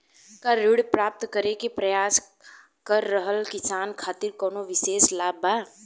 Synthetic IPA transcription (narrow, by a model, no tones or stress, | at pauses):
kaɾʊɽpɾaːp̚t̪kəɾekepɾɐjaːs | kəɾːəɦəlkɪsaːnkʰaːt̪ɪɾkɔːnoʋɪseːslaːbaː